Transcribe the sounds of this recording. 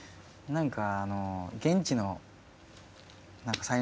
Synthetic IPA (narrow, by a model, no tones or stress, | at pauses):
nãŋkaːnoɡẽ̞ɲ̟t͡ɕino̞ | nãŋkasai